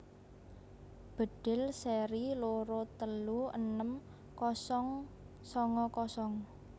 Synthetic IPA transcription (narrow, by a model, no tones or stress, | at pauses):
b̥ə̤ɖ̥ɪ̤lseɾiloɾot̪əluə̰nəm | kɔsɔŋ | sɔŋɔkɔsɔŋ